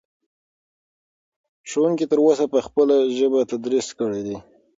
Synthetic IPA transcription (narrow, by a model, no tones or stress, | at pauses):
ʃowuŋkit̪əɾwosapəxpəlaʒəbat̪ad̪ɾiskəɽed̪i